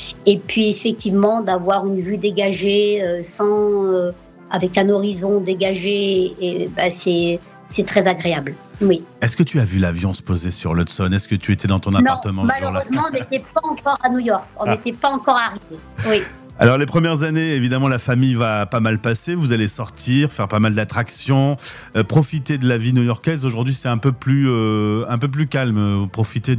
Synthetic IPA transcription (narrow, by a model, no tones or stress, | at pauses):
epɥiefɛk̚t̪ivmɑ̃d̪avwaʁynvyd̪eɡaʒeøsɑ̃ø | avɛkɛ̃nɔʁizɔ̃d̪eɡaʒeː | basɛ | sɛt̪χɛzaɡʁeablwiɛskət̪yavylavjɔ̃sə̥pozesyʁlɔt̪sɔnɛskət̪yet̪ɛd̪ɑ̃t̪ɔ̃nanp̪ãʁt̪əmɑ̃maløʁløzmɑ̃ɔ̃net̪ɛpaɑ̃kɔʁanjujɔʁkɔ̃net̪ɛpaɑ̃kɔʁaʁive | wi | a̰lɔʁlepχəmjɛʁzaneevid̪amɑ̃lafamijvapamalpasevuzalesɔʁt̪ʰiʁfɛʁpamald̪at̪χaksjɔ̃ | pχɔfit̪ed̪əlavinjujɔʁkʲɛzoʒuʁd̪ɥisɛt̪ɛ̃pøplyøɛ̃p̬øp̬lykʲalmvupχɔfit̪e